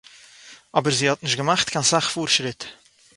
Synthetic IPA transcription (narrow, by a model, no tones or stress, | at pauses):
ɔbəɾziːhɔtnɪʃɡəmaχtkʰansaχfuːɾʃɾɪt